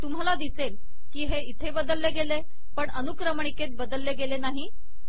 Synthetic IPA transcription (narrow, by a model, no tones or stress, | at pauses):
t̪um̤alad̪isel | kiːɦeit̪ʰebəd̪əlːeɡele | pəɳənukɾəməɳ̃iket̪̚bəd̪əlːeɡelenaɦi